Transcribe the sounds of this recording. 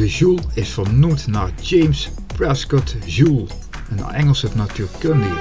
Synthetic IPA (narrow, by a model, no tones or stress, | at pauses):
dəʒulˠɪsfəɹnumtnaːɹd͡ʒejms | prɛskɔtʒulˠ | ən̰ɛŋəlˠsənatyːɹkøndi